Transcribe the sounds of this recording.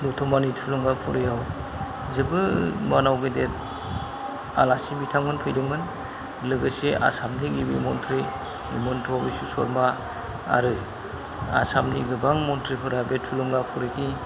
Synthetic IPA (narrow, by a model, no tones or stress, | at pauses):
nutʰɔmanitʰulɔŋɡapʰɔɾɯjaw | zɯbɯmanawɡɯdet̚ | alasibitʰaŋmɯnpʰɯjdɯŋmɯn | lɯɡɯseʔa̰samniɡibimɔntʰɾi | ḭmɯntʰɔbisusɔɾma | a̰ɾɯ | a̰samniɡɯbaŋmɔntʰɾipʰɯɾabetʰulɔŋɡapʰɔɾɯkʰi